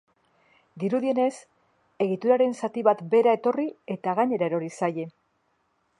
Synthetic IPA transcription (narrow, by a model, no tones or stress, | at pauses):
d̪iɾuðie̞ne̞s | e̞ɣit̪uɾaɾe̞nsat̪iβat̪be̞ɾae̞t̪o̞rie̞t̪aɣaɲe̞ɾaeɾo̞ɾisaje̞